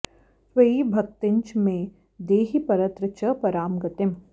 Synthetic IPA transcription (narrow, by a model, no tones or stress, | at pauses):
ʋɐibʱɐk̚t̪ɪɲt͡ʃmẽ | d̪eːɦipɐɾɐt̪ɾət͡ʃɐpɐɾaːmɡɐt̪ɪm